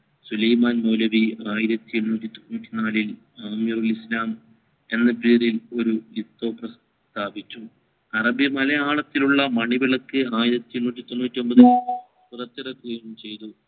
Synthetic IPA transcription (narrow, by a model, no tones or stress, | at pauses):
sulɐjmaːnmowlɐʋiaːjiɾɐt̪ːienːuːtːit̪onːuːtːinaːlil | aːmjɐrulislaːm | e̞nːɐpiːrilo̞ɾuit̪ːo̞ːprɐs | t̪ʰaːbit͡ɕʲːu | ɐrɐbjɐmɐlɐjaːɭɐt̪ːiluɭːɐmɐɳiʋiɭɐkːɨaːjiɾɐt̪ːijennuːt̬ʲːit̪onːuːtːio̞mbɐði | purɐt̪ːirɐkːuɣiɳɐmt͡ɕe̞jt̪u